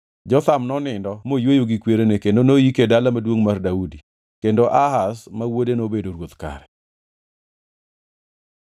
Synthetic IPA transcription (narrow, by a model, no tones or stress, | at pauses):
d͡ʒɔt̪amnɔnɪndɔmojwojoɡikweɾenekendonojikedalamadwoŋmardaudi | kendoʔaɦasmawodenobedoɾwot̪ka̰ɾɛ